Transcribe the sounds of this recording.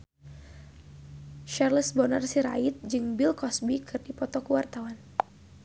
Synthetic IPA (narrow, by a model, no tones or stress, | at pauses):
ʃarləsbɔnarsiɾa̰it̪̚d͡ʒɨŋbilkɔsbikʰɨrdipɔt̪ɔkəwart̪awan